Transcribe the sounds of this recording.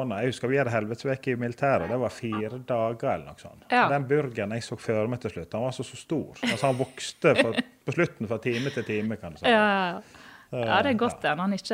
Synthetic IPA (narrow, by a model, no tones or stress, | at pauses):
nəɛɡhʉskəɾʋɪhɑd̪əɦɛlʋət̪sʋeːkəɪmɪlɪt̪ʰæːɾəd̪ɛʋɑɾfiːɾəd̪ɑːɡəɾɛlənɔ̰kːsɔ̰nːd̪ɛnbʏɾɡənɛɡsoːɡ̥føːɾmɛɪt̪ʰɪlʃlʉt̪ːhɑnʋɑɾsɔsɔst̪uːɾɑlshɑnʋɔkst̪əpʰɔslʉt̪ːn̩fɾɑt̪ʰiːmət̪ʰɪlt̪ʰiːməkʰɑnd̪ʉsæ | ɑːd̪ɛɡɔt̪ːɛnhɑnɪt͡ʃːə